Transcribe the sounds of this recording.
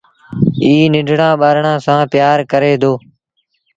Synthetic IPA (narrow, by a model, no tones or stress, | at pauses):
iːnɪɖʱɳãːɓaːɾɳãːsãːpɪjaːɾkəɾeːd̪oː